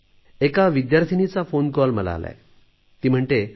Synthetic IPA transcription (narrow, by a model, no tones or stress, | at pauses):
ekaʋid̪jaɾt̪ʰinit͡safonkɔlməla̰ːla̰e | t̪iːm̤əɳʈ̪e